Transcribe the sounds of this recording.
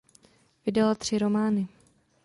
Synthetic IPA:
vɪdɛlat̪r̝̥ɪɾo̞maːnɪ

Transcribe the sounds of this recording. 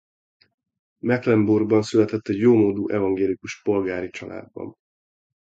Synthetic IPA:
mɛklɛmburɡbɒnsylɛt̪ɛt̪ːɛɟjoːmoːd̪uːʔɛvɒŋɡeːlikuʃpo̞lɡaːɾit͡ʃɒla̰ːd̪̚bɒ̰m

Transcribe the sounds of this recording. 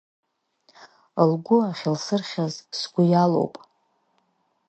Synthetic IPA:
lɡʷʊaχʲɪlsɨrχʲazsɡʷʊjalo̰wpʼ

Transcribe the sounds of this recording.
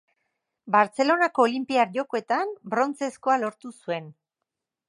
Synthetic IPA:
baɾt͡se̞lo̞nako̞ːlimpiaɾʝo̞ko̞e̞t̪ambɾo̞nt͡se̞sko̞alo̞ɾt̪usue̞n

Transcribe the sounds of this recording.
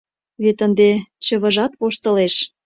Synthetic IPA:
βet̪ənd̪et͡ɕə̆βə̆ʒɑt̪βoʃt̪ə̆leʃ

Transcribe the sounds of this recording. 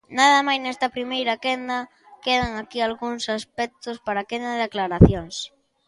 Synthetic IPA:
naðɐmajznɛst̪ɐpɾimejɾɐkɛnd̪ɐ | keðaŋakialɣuŋsaspɛk̚t̪ʊspaɾakend̪ɐðaklaɾaθjoŋs

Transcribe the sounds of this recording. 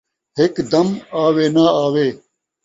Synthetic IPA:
ɦekd̪ɐmaːʋeːnaaːʋeː

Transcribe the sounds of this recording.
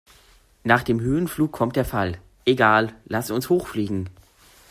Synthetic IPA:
naːχd̥eːmɦøːənfluːkʰɔmt̚d̥eːɐfal | ʔeɡaːllasʊnshoːxfliːɡŋ̩

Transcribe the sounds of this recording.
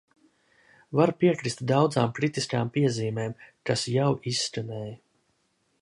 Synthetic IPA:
vaɾpiɛkɾist̪d̪awd̪zaːmkɾit̪iskaːmpiɛziːmeːmkasjawisʲːkanɛːj

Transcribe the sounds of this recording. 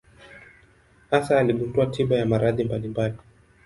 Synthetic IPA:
hasaːliɓunduatʰiɓajamaɾaðimbalimbali

